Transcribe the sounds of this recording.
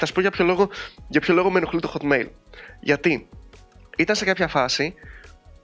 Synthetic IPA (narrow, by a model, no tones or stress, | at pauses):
θɐspoʝɐpço̞lo̞ɣo̞ʝɐpço̞lo̞ɣo̞menoxlit̪oxot̪mejlʝɐt̪i | it̪ɐnse̞kɐpçɐfɐsi